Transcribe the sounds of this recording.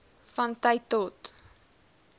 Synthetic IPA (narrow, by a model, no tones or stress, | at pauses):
fɐntɐjtːɔt